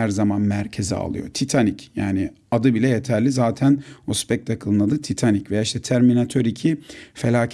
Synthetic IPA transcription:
æɾzamanmæɾcʰe̞zḭa̰lˠɯ̰jot̪ʰit̪ʰanicja̰ːnɪ | ad̪ɯbilʲɛje̞t̪ʰæɾlʲizaːt̪ʰænospɛc̚t̪ʰakʰɯlˠɯnad̪ɯt̪ʰit̪ʰanicvejaiʃt̪ʰɛt̪ʰæɾminat̪ʰøɾicʰife̞lʲaːcʰ

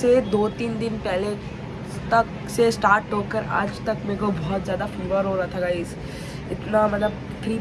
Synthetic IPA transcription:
sed̪oːt̪iːnd̪ɪnpɛɦle | t̪ɐk | sesʈaːɾʈɦoːkəɾa̰ːd͡ʒt̪ɐkmeːkobɔːt̪zjaːd̪afiʋəɾɦoːɾat̪ʰaɡaɪs | ɪt̪namɐt̪ləb | t̪ʰɾiː

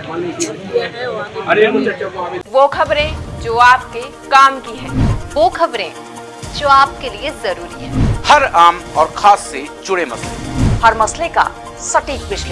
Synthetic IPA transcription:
ɐɾe | ʋokʰɐbɾẽd͡ʒoːaːp̚ke | kaːmkiɦɛ̃ːʋoːkʰɐbɾẽ | d͡ʒoːaːp̚keliezɐɾuːɾiɦɛ̰̃ːhɐɾaːmɔːɾkʰaːsːed͡ʒʊɽemɐslḛhɐɾmɐsleka̰ | sɐʈiːk̚bɪʃli

